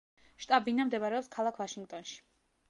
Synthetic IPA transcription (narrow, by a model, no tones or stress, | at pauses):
ʃt̪ʼabinamd̪ɛβaɾɛɔpskʰalˠakʰvaʃiŋɡt̪ʼɔnʃi̥